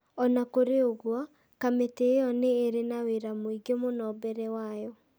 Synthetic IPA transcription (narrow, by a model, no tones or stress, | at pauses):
ɔnakoɾeoɣwɔ | kametejɔneːɾenaweɾamoiɡemonɔːbɛɾɛwajɔ